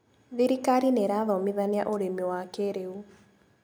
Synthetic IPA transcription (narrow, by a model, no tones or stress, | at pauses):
ðiɾikaɾineɾaðɔmiðania̰ʔoɾemiwakeɾeu